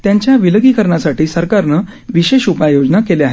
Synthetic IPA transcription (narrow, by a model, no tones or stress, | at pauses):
t̪jãɲt͡ɕjaʋiləɡiːkəɾɳasaʈiːsəɾkaɾnə | ʋiɕeɕupajod͡ʑnakeleaɦe